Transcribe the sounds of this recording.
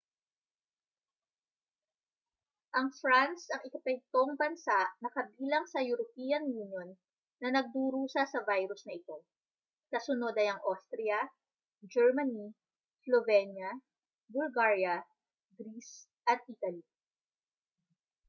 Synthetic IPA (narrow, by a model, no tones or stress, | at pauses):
ʔɐŋfɾansɐŋɪkɐpɛk̚t̪oŋbɐnsaʔnɐkɐbiːlɐŋsɐjʊɾopiɐnjunjonː | ɐnɐɡ̚d̪uːɾuːsɐsɐvajɾʊsnɐʔɪt̪o̞ | kɐsʊno̞d̪ɐjɐŋʔast̪ɾɛjɐ | d͡ʒɛɹmɐni | slovɛnjɐ | bʊlɡaɹjɐ | ɡɾis | ʔɐt̪̚ʔit̪ɐli